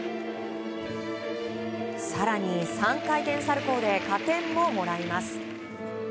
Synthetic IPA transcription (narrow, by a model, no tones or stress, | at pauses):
saɾaɲ̟isãŋkait̪ẽ̞ɰ̃saɾɯ̟ko̞ːd̪e̞kat̪ẽ̞mːo̞mo̞ɾaimasɨ̥